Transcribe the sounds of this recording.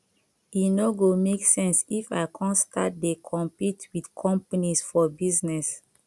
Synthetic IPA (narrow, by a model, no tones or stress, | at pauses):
inoɡomeksɛ̃nsifa̰ɪkʰɔ̃nsta̰t̚dekʰɔ̃mpitwidkʰɔ̃mpanisfɔbiznɛs